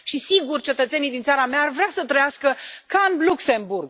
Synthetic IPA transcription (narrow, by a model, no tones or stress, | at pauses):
ʃisiɡurʲt͡ʃe̞t̪ət̪se̞nijd̪int̪saɾameaːrvɾeasət̪ɾəjaskəkaɨnlukse̞mburɡ